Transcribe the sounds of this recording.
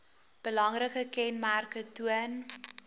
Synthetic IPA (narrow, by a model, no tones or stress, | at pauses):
b̥əlɐŋrəkəkɛnmærkətuən